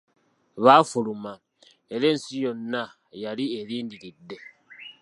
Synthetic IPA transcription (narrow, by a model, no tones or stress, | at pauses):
βafuluma | e̞leːnsijo̞nːa | jalieɾiːndiɾidːe̞